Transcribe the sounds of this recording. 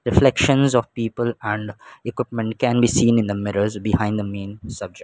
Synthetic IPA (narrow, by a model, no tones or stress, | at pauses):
ɾɪflɛkʃə̃nzɔʋpiːpəlɛ̃ɳɖɪkwɪpmə̃ɳʈ̚kɛ̃nbiːsĩːnɪ̃nd̪əmɪɾəɾzbɪhãɪ̃nɖd̪əmẽːnsʌb̚d͡ʒɛ